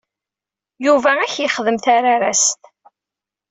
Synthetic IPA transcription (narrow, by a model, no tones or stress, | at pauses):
juvææçjiχəðəmθaɾaɾast̪